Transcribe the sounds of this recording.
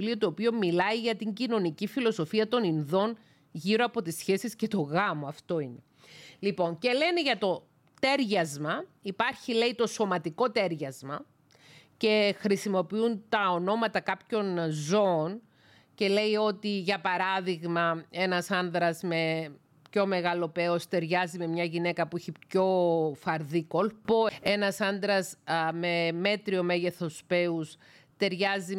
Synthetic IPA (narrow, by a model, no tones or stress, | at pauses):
liot̪oːpio̞milɐiʝɐt̪iɲɟino̞nicifilo̞so̞fiɐt̪o̞ninðo̞n | ʝiɾo̞ɐpo̞t̪isçe̞sisce̞t̪o̞ɣɐmoɐft̪o̞ine̞ | lipo̞ŋce̞le̞neʝɐt̪o̞ | t̪e̞ɾʝɐzmɐipɐɾçile̞it̪o̞so̞mɐt̪iko̞t̪e̞ɾʝɐzmɐ | ce̞xɾisimo̞piunt̪ɐo̞no̞mɐt̪ɐkɐpço̞nzo̞ːn | ce̞le̞io̞t̪iʝɐpɐɾɐðiɣmɐe̞nɐsɐnðɾɐzme̞ | pço̞me̞ɣɐlo̞pe̞ost̪e̞ɾʝɐzime̞mɲɐʝine̞kɐpuiçipço̞fɐɾðiko̞lpoe̞nɐsɐnd̪ɾɐsme̞me̞t̪ɾio̞me̞ʝe̞θo̞spe̞us | t̪e̞ɾʝɐzi